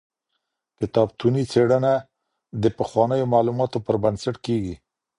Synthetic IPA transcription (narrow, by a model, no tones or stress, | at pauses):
kɪt̪ɑbt̪unit͡seɽəna | d̪əpəxwɑnəjomɑlumɑt̪opəɾbansaʈkeɡi